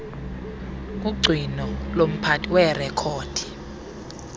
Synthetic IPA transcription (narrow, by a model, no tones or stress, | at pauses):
k̬ʼuɡ͡ǀʱinɔlom̩pʰatʰʼiwɛrɛkʰoːd̥ʰʱi̥